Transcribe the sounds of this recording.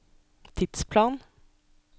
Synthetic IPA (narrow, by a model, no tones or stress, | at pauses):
t̪ʰɪd̪̥spʰlɑːn